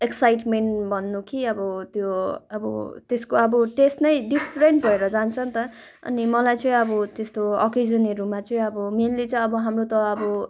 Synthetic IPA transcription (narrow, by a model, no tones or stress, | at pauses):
eksajʈmeɳʈbʱʌnːukʰiʌbʌt̪joʌbʌ̰t̪eskoʌbʌʈesʈnʌjɖipʰɾeɳʈbʱʌeɾʌd͡zant͡sʰʌnt̪ʌ | ʌ̰nimʌlajt͡sʌĩʌbʌt̪est̪oʌ̰ked͡zʌniɾumat͡sʌĩʌbʌmenlit͡sʌĩʌbʌɦamrot̪ʌʌbʌ